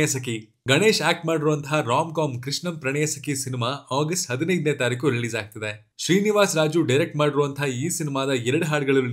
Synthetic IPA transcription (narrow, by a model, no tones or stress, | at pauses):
jɐsɐk̬i | ɡɐɳeːʃaːk̚ʈmaːɽiɾuʋɐnt̪ʰɐɦɐɾaːmkaːmkɾiʂɳɐmpɾɐɳɛjɐsɐkisinimaːaːɡɐsʈɦɐd̪inɐjd̪net̪aːɾik̬uɾiliːzaːɡ̚t̪ɐd̪e | ʃɾiːniʋaːsɾaːd͡ʒuɖɐjɾek̚ʈmaːɽiɾuʋɐnt̪ʰɐiːsinimaːd̪ɐɛɾɐɽuɦaːɽɡɐɭɐ